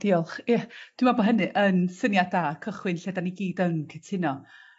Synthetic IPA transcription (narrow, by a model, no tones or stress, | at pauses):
d̥iɔlˠχɪd̥wɪmabɔɦənɨʔənsənjadakʰəχwɪnɬɛdaniɡiːdəŋkʰɪtʰɪnɔ